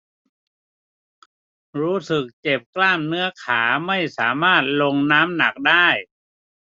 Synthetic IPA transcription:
ɾuː˦˥sɯ˨˩k̚t͡ɕe˨˩p̚klaː˥˩mnɯ˦˥ɐkʰaː˩˦ma˥˩jsaː˩˦maː˥˩t̪̚lo˧ŋnaː˦˥mna˨˩k̚daː˥˩j

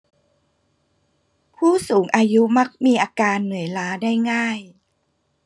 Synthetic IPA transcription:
pʰuː˥˩suː˩˦ŋʔaː˧ju˦˥ma˦˥k̚miː˧ʔaː˧kaː˧nːɯ˩˦əjlaː˦˥daː˥˩jŋaː˥˩j

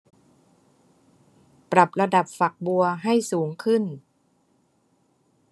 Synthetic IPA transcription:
pɾa˨˩p̚ɾa˧da˨˩p̚fa˨˩k̚bu˧ɐɦa˥˩jsuː˩˦ŋkʰɯ˥˩n

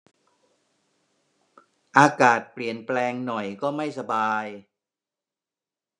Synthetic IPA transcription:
ʔaː˧kaː˨˩t̪̚pli˨˩ənplɛː˧ŋnɔ˨˩jkɔː˥˩ma˥˩jsa˧baː˧j

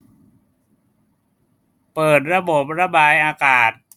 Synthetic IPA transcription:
pɤː˨˩t̪̚ɾa˧bo˨˩p̚ɾa˧baː˧jʔaː˧kaː˨˩t̪̚

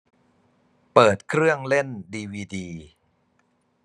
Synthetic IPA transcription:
pɤː˨˩t̪̚kʰɾɯ˥˩əŋle˥˩ndiː˧wiː˧diː˧

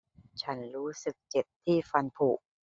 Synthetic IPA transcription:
t͡ɕʰa˦˥nɾuː˦˥sɯ˨˩k̚t͡ɕe˨˩t̚t̪ʰːiː˥˩fa˧npʰuː˨˩ʔ̚

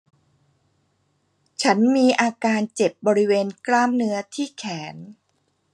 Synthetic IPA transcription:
t͡ɕʰa˦˥nmiː˧ʔaː˧kaː˧nt͡ɕe˨˩p̚bɔː˧ɾi˦˥weː˧nklaː˥˩mnɯ˦˥ɐt̪ʰiː˥˩kʰɛː˩˦n

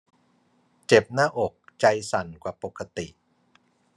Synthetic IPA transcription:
t͡ɕe˨˩p̚naː˥˩ʔo˨˩k̚t͡ɕa˧jsa˨˩nkwaː˨˩po˨˩kʰːa˧t̪i˨˩ʔ

